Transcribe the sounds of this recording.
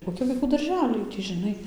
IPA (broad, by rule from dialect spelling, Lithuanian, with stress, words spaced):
koːˈkʲɪ ʋɐɪˈkuː dɐrʲˈʒʲæːlʲɛɪ ˈtʲiː ʒʲɪˈnɐɪ